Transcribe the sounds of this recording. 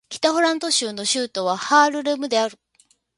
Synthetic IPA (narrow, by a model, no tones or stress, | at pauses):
kʲi̥t̪aɸoɾãnt̪o̞ɕɨːno̞ɕɨːt̪o̞β̞ahaːɾɯ̟ɾɯmɯ̟d̪e̞aɾɯ̟